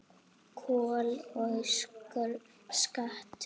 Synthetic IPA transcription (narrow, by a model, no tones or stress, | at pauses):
kʰɔːlɔskʏɾ | skaht̪